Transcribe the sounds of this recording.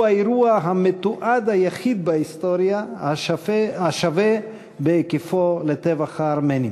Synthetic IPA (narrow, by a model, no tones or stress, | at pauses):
aiɾuaɦamet̪uʔad̪hajaχid̪̚baist̪oɾja | aʃave | bekifolet̪evaχaːɾmeni